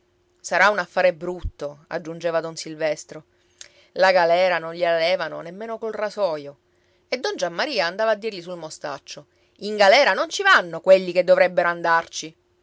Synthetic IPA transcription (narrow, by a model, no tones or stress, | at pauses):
saɾaunafːaːɾebɾut̪ːoa̰d͡ʒːund͡ʒeːvad̪onsilvɛst̪ɾo | laɡalɛːɾanonʎelalɛːvano̰nemːeːnokolrasɔːjo | ed̪ːond͡ʒamːaɾiːaːnd̪aːvaːd̪ːirʎisulmost̪a̰t͡ʃːo | iŋɡalɛːɾanont͡ʃivanːokweʎːiked̪ːovɾɛbːeɾoand̪art͡ʃi